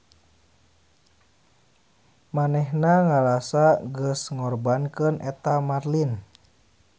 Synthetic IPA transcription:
manɛhnaŋalasaɡəsŋɔrbankənʔɛt̪amarlin

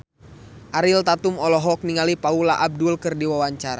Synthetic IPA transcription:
ʔaɾilt̪at̪umɔlɔɦɔk̚niŋalipaulaʔab̚dulkɨrdiwawaɲt͡ʃaɾa

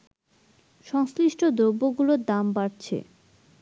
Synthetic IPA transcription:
ʃɔŋsliʃʈʰod̪ɾobːoɡulod̪ambaɽt͡ɕʰḛ

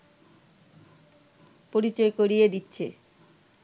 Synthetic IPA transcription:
poɾit͡ɕoekoɾijed̪itːɕʰḛ

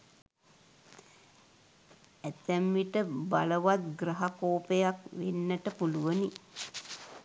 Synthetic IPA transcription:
æt̪æmʋiʈəbaləʋat̪̚ɡɾaɦakoːpejakʋenːəʈəpuluʋəni

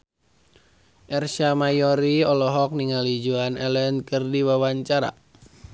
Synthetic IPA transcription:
ʔɛrʃamajɔɾiɔlɔɦɔk̚niŋalid͡ʒuanɛlɛnkɨrdiwawaɲt͡ʃaɾa̰

